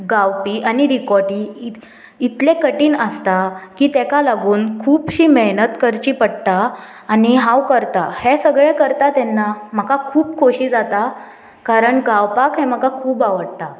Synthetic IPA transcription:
ɡawpiːʔaniɾikɔʈiː | it̪lekəʈiːnəst̪akiːt̪ɛkalaɡuːnkʰuːpɕiːmeɦnət̪kəɾt͡ɕiːpəɽt̪aː | niɦãwkəɾt̪ahesəɡɭekəɾt̪at̪ɛnːam̤əkakʰuːpkʰoɕiːd͡zat̪a | kaɾəɳɡawpakɦẽməkakʰuːbaʋəɽt̪a

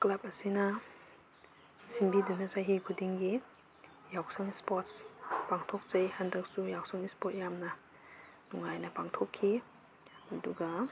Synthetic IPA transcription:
klap̚ɐsina | sinbidunasajɦiɡʰudiŋɡi | jawsaŋispɔt̚spaŋtʰɔk̚zajhandak̚sujawsaŋispɔt̚jamna | nuŋajnapaŋtʰɔkʰːi | aduɡa

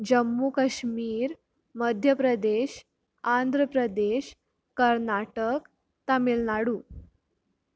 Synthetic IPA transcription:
d͡ʑəmːukəɕmiːɾ | məd̪ʱjəpɾəd̪eɕ | and̪ʱɾəpɾəd̪eɕ | kəɾnaʈək | t̪amilnaɽuː

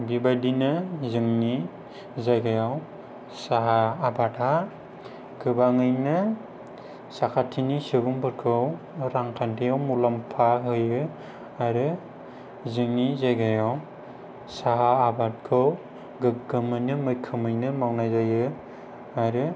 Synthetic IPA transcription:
bibadinɯzɯŋni | zajɡajaw | saɦaːbatʰa | ɡɯbaŋɯjnɯ | sakʰatʰːinisɯbuŋbɯɾkʰɯw | ɾaŋkʰantʰijawmulampʰaɦɯjɯ | aɾɯ | zɯŋnizajɡajaw | saɦaːbat̚kʰɯw | ɡɯɡɯmɯjnɯmɯjkʰɯmɯjnɯmawnajzajɯ | aɾɯ

